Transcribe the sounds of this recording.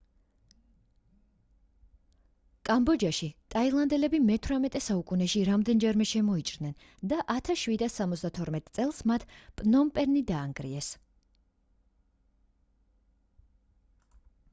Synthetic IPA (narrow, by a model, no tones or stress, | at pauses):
kʼambɔd͡ʒaʃit̪ʼailˠand̪ɛlɛbimɛt̪ʰvɾamɛt̪ʼɛsaukʼunɛʃiɾamd̪ɛnd͡ʒɛɾmɛʃɛmɔit͡ʃʼɾd̪nɛn | d̪aʔat̪ʰasʃwid̪asːamɔt̪sd̪at̪ʰɔɾmɛt̪ʼt̪sʼɛlˠsmat̪ʰpʼnɔmpʼɛɾnid̪aːŋɡɾḭɛs